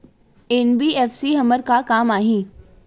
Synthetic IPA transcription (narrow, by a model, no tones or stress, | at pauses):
enbiːɛːfsiɦɐməɾkakaːmaːɦĩː